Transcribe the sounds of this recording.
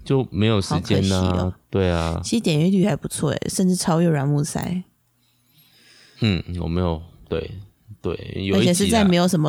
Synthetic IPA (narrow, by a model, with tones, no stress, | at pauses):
t͡ɕjo˥˨ʊme˧˥ɪjo˨˩ʊʂɑ˧˥˧kt͡ɕjɛ̰˧˩˦t͡ɕiə˧˨˩lə̰t̪we˥˩ɪa̰˧i˧˥ʂɻ̩˧t̪jɛ˨˩ny˧˥ly˥˩a˧˥ɪpu˧˦t͡sʰwɔ̰˥˩ɛ̰˨ʂə˥˧nʈ͡ʂɻ̩˥˩ʈ͡ʂʰɑ˥ʊɥɛ˥˩ɻwa˧˥nmu˥˧˩sa̰˥ɪ | n̩˥˩jo̰˨˩me˧˦˥ɪjo˨˩ʊt̪we˥˩ɪ | t̪we˥˩ɪjo˨˥t͡ɕʰɛ˨˩ʂ̬ɻ̩˥˧t͡sa˥˩ɪe˧˥ɪjo˨˩ʊʂə˧˥nmə˧